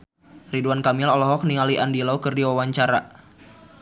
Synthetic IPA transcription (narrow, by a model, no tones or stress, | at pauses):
riduankamɪlɔlɔɦɔk̚niŋaliʔandilaukərdiwawaɲt͡ʃaɾa̰